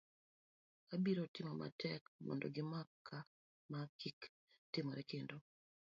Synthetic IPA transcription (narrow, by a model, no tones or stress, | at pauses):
abiɾotɪmɔma̰tʰɛkmɔ̰ndɔɡɪmakʰːa | makʰik | tɪmoɾɛkendo